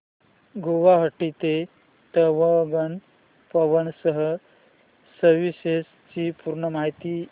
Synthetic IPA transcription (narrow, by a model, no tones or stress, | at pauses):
ɡoʋaɦəʈːit̪e | t̪əʋəɡən | pəʋənsəɦə | səɾʋiɕes | t͡ɕipuɾɳəmaɦit̪i